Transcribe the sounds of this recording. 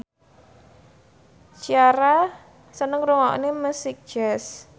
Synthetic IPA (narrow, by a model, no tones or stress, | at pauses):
t͡ʃiaɾa | sənəŋɾuŋɔʔneməsɪk̚ʒ̥ɛs